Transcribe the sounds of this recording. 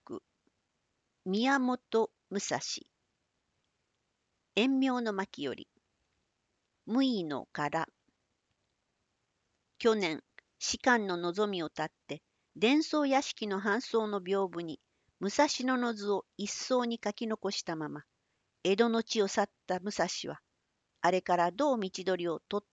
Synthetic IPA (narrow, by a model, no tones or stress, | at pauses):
kɯ̟ | mʲiamo̞t̪o̞ | mɯ̟sa̰ɕḭ | ẽ̞mːʲjo̞ːno̞makʲijo̞̰ɾʲḭ | mɯ̟ino̞̰kaɾa | kʲo̞nẽ̞ɰ | ɕi̥kãnːo̞no̞zo̞mʲio̞t̪at̪ːe̞ | d̪ẽ̞ɰ̃so̞ːjaɕi̥kʲino̞ɦãɰ̃so̞ːno̞bʲo̞ːbɯ̟ɲ̟i | mɯ̟saɕino̞no̞zɨo̞isːo̞ːɲ̟ikakʲino̞ko̞ɕi̥t̪amama | e̞d̪o̞no̞t͡ɕio̞sat̪ːamɯ̟saɕiβ̞a | aɾe̞kaɾad̪o̞ːmʲit͡ɕid̪o̞ɾʲio̞t̪o̞t̪ː